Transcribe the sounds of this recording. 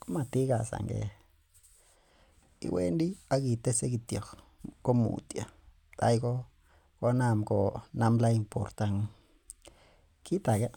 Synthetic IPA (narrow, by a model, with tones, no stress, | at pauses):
ko˦ma˧t̪i˦ɡa˨sa̰˨ŋɡḛ˨ | ḭ˨wʔḛ˦nd̪i˦a˦ɡi˨t̪e˦se˦ɡi˧t̪jo˨x | ko˦mṵ˨t̪ja˨ | t̪a˦jɡo˦ | kʷa˦na˦˧˨mko˧˨na˦mla˦i˧mpo˨ɾt̪a˧ŋ˦ | ki˦t̪a˨ɡe˦